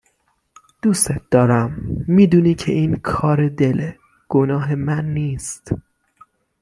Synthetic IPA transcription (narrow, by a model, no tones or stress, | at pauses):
d̪̥uːset̪̚ʰd̪̥ɒːɾæmːiːd̪uːniːcʰe̞ʔiːnkʰɒːɾed̪e̞le | ɡ̥onɒːɦe̞mænːiːst̪